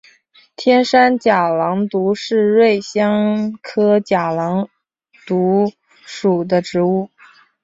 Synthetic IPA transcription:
t̪ʰjɛ˥nʂa˥nt͡ɕja˨˩lɑ˧˥ŋt̪u˧˥ʂɻ̩˥˧ɻwe˥˩ɪɕjɑ˥ŋkʰɤ˥t͡ɕja˨˩lɑ˧˥ŋ | t̪u˧˥ | ʂu˨˩d̪ə˦ʈ͡ʂɻ̩˧˥u˥˩

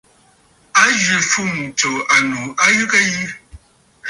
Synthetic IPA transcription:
a˦ʒi˨fu˦˨m˨t͡so˨a˨nu˨a˦ɣɨ˦kə˦ji˦

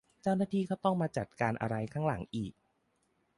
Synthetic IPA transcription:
t͡ɕa˥˩wnaː˥˩t̪ʰiː˧kʰa˥˩wt̪ɔ˥˩ŋmaː˧t͡ɕa˨˩t̪̚kaː˧nʔa̰˧ɾa˧jkʰaː˥˩ŋla̰˩˦ŋʔiː˨˩k̚

